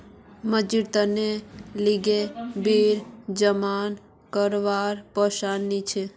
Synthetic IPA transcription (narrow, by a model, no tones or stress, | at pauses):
məd͡ʒiɾt̪əneliɡebiɾd͡ʒəman | kəɾʋaɾpəʃanːit͡ʃʰe